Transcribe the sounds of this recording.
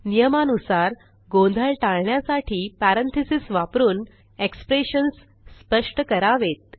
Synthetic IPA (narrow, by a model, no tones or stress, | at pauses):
nijəmanusaɾ | ɡõnd̪ʱəɭʈaɭɳjasaʈʰiːpæɾənt̪ʰisisʋapɾuːn | ekspɾeɕənsː | pəʂʈəkəɾaʋet̪̚